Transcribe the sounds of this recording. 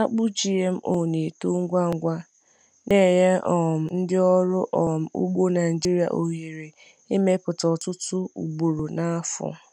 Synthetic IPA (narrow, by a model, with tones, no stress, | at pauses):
a˦k͡pʊ˦d͡ʒi˨e˦m̩˦ʔo˦˨ne˨to˦ŋ̩˦ɡʷa˦ŋ̩˦ɡʷa˦ | ne˦˨je˦ɔ˨m̩˨n̩˦dɪ˦ɔ˦ɾʊ˦ʔɔ˨m̩˨ṵ˦ɡ͡bo˦na˨d͡ʒi˦ɾi˦˨a̰˨ʔo˨ɦe˨ɾe˨ | i˦me˦pʊ˨tɔ˨tʊ˦tʊ˦ṵ˨ɡ͡bo˨ɾo˨na˦fʊ̰˨